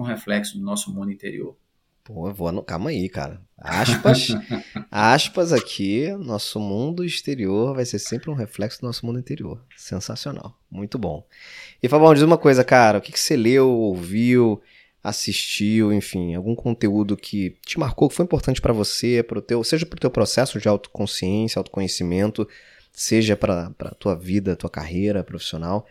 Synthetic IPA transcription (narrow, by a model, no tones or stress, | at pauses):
ũɦeflɛksʊd̪ʊnɔsʊmũnd̪uĩt̪eɾḭo̰ɾ | poɐvoɐnũk̪a̰mɐ̃ika̰ɾɐa̰ʃpɐʃ | aʃpɐzakʰinɔsʊmũnd̪ʊiʃt̪eɾioɾvajseɾsẽmpɾɪũɦeflɛksʊd̪ʊnɔsʊmũd̪ĩt̪eɾio̰ɾ | sḛ̃sasiona̰w | mũj̃t̪ʊbõ̰ | ɪfabõd͡ʒizũmɐkojzɐkaɾɐʊkɪkɪ̥selewowviw | a̰siʃt͡ʃiwẽfĩawɡũkʰõnt̪eud̪ʊkʰɪt͡ʃɪmaɾkowkɪ̥fojĩmpoɾt̪ɐ̃nt͡ʃɪpɾɐvosepɾʊt̪ewseʒɐpɾʊt̪ewpɾosɛsʊd͡ʒɪawt̪ʊ̥kõsiẽsjɐawt̪ʊ̥kõɲesimẽnt̪ʊ | seʒɐpɾɐpɾɐ̰t̪uɐvid̪ɐt̪uɐka̰ɦejɾɐpɾofi̥sionaw